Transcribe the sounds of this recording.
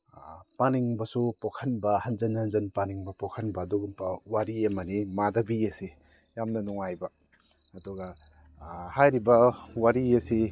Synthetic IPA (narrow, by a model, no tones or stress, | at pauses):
paniŋbɐsupokʰɐnbɐhɐnzɐnɐnzɐnpaniŋbɐpokʰɐnbɐːduɡawaɾiemɐnimadɐbiɐsi | jamnɐnɔŋajbɐː | duɡɐ | hajɾibɐwaɾiesi